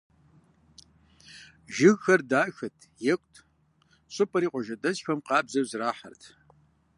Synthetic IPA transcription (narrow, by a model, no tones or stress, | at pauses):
ʒɪɣxɐrdaːxɨtʰjɛkʷʼtʰ | ɕʼɨpʼɐɾiːqʷʼɔʒɐdɐsxɐmqɑːbzɐwzraːħa̰rtʰ